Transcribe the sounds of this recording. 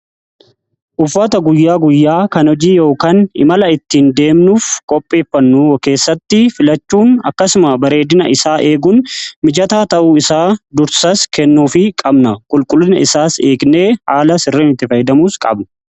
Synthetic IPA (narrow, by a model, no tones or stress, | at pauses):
ʔʊfːɐt̪ɐɡʊjːaːɡʊjːaːkɐnɔd͡ʒiːjo̞ːkaːnɪ̰mɐlɐɪt̪ːind̪e̞ːmnuːfkʼɔpʼːe̞ːfːɐnːuːke̞ːsːɐt̪ːɪfɪlɐt͡ʃːuːnɐkːɐsʊmɐbɐɾe̞ːd̪ɪnɐʔɪsaːʔe̞ːɡʊnmɪd͡ʒɐt̪aːt̪ɐʔuːɪsaːd̪ʊɾsɐskɛnːuːfɪkʼɐbnɐkʼʊlkʼʊlːɪnɐɪsaːse̞ːɡne̞ːhaːlɐsɪrːeːnɪt̪ːɪfɐjɪd̪ɐmuːskʼɐ̰bnɐ̥